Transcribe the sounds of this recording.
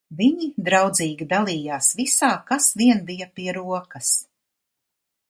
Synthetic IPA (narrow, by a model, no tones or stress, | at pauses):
viɲid̪ɾawd̪ziːɡʲid̪alˠiːjaːsvisaːkasviɛnbijapiɛɾuɔkɐs